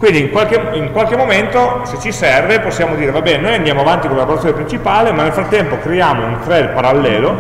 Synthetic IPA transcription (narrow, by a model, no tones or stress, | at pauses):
kwind̪iːŋkwalk̟eiŋkwalk̟emːoment̪oset͡ʃːisɛrveposːjaːmod̪iːɾevabɛːnenoːjand̪jaːmoavant̪ikolalaboɾat̪sjonepɾint͡ʃipaːlemanːelfɾat̪ːɛmpokɾejaːmount̪ɾɛd̪paɾalːɛːlo